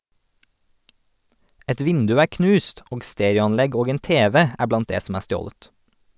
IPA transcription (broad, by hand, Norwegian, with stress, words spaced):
ˈɛt ˈʋɪndʉ ˈæː ˈknʉːst ˈoːɡ ˈsteːɾjʊɑnˌlɛɡ ˈoːɡ ˈeːn ˈteːʋɛ ˈæː ˈblɑnt ˈdeː sm̩ ˈæː ˈstjoːlət